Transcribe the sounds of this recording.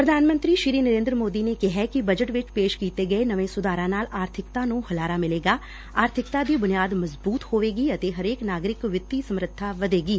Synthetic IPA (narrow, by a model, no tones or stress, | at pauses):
pɾəd̪ʱaːnmə̃nt̪ɾiːʃiɾiːnəɾẽːnd̪ɾəmoːd̪iːneːkɪɦɛkibəd͡ʒəʈʋɪt͡ʃpeːʃkiːt̪eːɡəenəʋẽːsʊd̪aːɾãːnaːlaːɾt̪ʰɪkt̪ãːnũːhəlaːɾaːmɪleːɡaː | aːɾt̪ʰɪkt̪aːd̪iːbʊnijaːd̪məzbuːt̪hoːʋeːɡiːət̪eːɦəɾeːknaːɡɾɪkʋɪt̪ːiːsəmɾət̪ʰːaːʋəd̪eːɡiː